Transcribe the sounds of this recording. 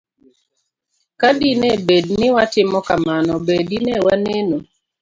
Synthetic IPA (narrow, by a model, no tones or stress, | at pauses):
kadinebednɪwatɪmɔkamanɔbedinewaneno